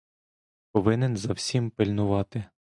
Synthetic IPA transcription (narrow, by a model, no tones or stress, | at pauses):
pɔʋɪnenzɐwsʲimpɪlʲnʊʋɑt̪ɪ